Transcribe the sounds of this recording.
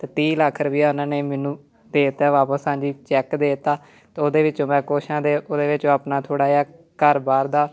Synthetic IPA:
t̪eːt̪ĩːlaːkʰəɾʋiːaːʊnãːneːmɛːnũː | d̪eːt̪aːʋaːpəsãːd͡ʒiːt͡ʃɛːkd̪eːt̪aː | t̪eːoːd̪eːʋɪt͡ʃõːmɛ̃ːkoːʃãːd̪eːʔoːd̪eːʋɪt͡ʃõːaːpnaːt̪ʰoːɽaːaː | kəɾbaːɾd̪aː

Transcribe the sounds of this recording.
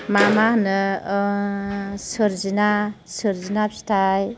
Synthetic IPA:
mamanɯ | sɯɾzina | sɯɾzinap̚si̥taj

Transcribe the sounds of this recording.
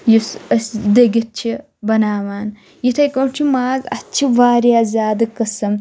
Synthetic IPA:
jisɐsd̪ɐɡit̪̚t͡ʃʰi | bɐnaːʋaːn | jit̪ʰɐjkɐt͡ʃʰimaːɡɐtːt͡ʃʰiʋaːɾjaːzʲaːd̪ɐkɐsɐm

